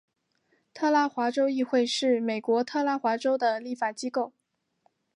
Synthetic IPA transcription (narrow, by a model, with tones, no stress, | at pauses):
t̪ʰɤ˥˧la˥xwa˧˥ʈ͡ʂo˥ʊi˥˧xwe˥˧ɪʂɻ̩˥˩me˨˩ɪkwɔ˧˥t̪ʰɤ˥˧la˥xwa˧˥ʈ͡ʂo˥ʊd̪ə˨li˥˩fa˨˩t͡ɕi˥ko˥˩ʊ